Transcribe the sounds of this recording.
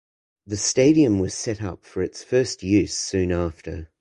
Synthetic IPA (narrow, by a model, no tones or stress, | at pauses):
ðɨsteɪɾiɨ̃mwʌz̥sɛɾʌ̰pfə˞ɨtsfɜ˞st̚jʉz̥sʉ̃næftʰə˞